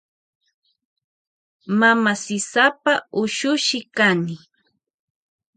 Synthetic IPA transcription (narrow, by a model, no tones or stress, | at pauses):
mamasɪsapaʊʃʊʃɪkanɪ